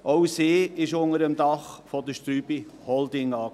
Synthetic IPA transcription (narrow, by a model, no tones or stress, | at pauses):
ʔoʊseːɪʃʊnəɾəmd̪ɑχfɔd̪əʃtɾyːb̥ihɔld̪ɪŋɑː